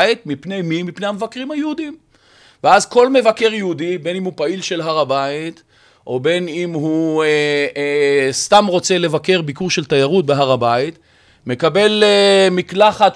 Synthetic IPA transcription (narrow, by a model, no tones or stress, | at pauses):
it̪mipne̞jmimipnehamevakʁimhajehud̪im | veazko̞lme̞vake̞ʁjeudibe̞nimhupailʃe̞lɦaʁabait̪ | ʔo̞be̞nimɦu | st̪amʁo̞t͡se̞le̞vake̞ʁbikuʁʃe̞lt̪ajaʁut̪̚beɦaʁabait̪ | me̞kabe̞lemiklaχa